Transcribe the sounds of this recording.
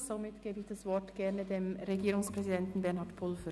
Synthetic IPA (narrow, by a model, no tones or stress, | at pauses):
somɪtɡ̥eːbɪɪçd̥asv̥ɔtɡ̥ɛɐnədeːmʁeɡiːɾʊŋspʁ̥ɛzidɛntn̩bɛɐnhɑːtpʰʊlfə